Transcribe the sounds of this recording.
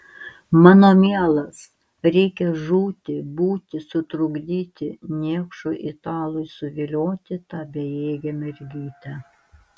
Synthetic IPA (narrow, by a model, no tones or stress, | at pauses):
mɑːnoːmʲiɛlˠɐs | ɾʲɛɪkʲɛʒuːt̪ʲɪbuːt̪ʲɪsʊt̪ɾʊɡd̪ʲiːt̪ʲɪnʲiɛkʃʊʔɪt̪ɑːlˠʊjsʊʋʲɪlʲoːt̪ʲɪt̪ɑːbʲejeːɡʲɛmʲɛɾʲɡʲiːt̪ʲɛ